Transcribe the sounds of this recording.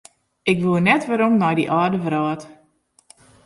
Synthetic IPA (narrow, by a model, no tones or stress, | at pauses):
ʔɪkʋuənɛtʋəɾomnɔjdḭʔaːdəvɾɔːt